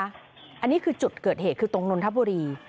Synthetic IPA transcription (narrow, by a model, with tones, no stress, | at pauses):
ʔa˧nːiː˦˥kʰɯː˧t͡ɕu˨˩t̪̚kɤː˨˩t̪̚heː˨˩t̪̚kʰɯː˧t̪o˧ŋno˧nt̪ʰa˦˥p̚buː˧ɾiː˧